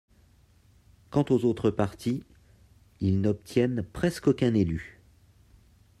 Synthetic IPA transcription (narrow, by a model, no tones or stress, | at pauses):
kɑ̃t̪ozot̪χəpaʁt̪ʰi | ilnɔp̚t̪jɛnpχɛskokʲɛ̃nely